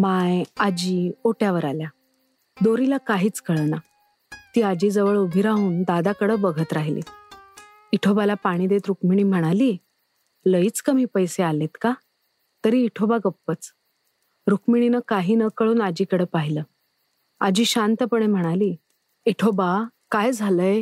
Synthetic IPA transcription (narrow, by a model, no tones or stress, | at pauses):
majad͡ʑiːoʈjaʋəɾalja | d̪oɾilakaɦiːt͡skəɭna | t̪iːad͡ʑiːd͡zəʋəɭubʱiɾaɦuːnd̪ad̪akəɽəːbəɡʱət̪ɾaɦilḭ | iʈʰobalapaɽ̃iːd̪et̪ɾukmiɽ̃iːm̤əɽ̃aliː | ləiːt͡skəm̤iːpəjsealet̪ka | t̪əɾiːʈʰobaɡəpːət͡s | ɾukmiɽ̃inəkaɦiːnəkəɭuːnad͡ʑiːkəɽəːpaɦiləː | ad͡ʑiːɕant̪əpəɳ̃em̤əɽ̃aliː | iʈʰobakajd͡zʱaləje